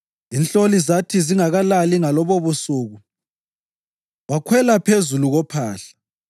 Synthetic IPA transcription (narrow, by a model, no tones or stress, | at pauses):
inɬolizatʰiziŋaɣalaliŋalɔβoβusuːɣu | wakʰwɛlapʰezuluɣɔpʰaːɬḁ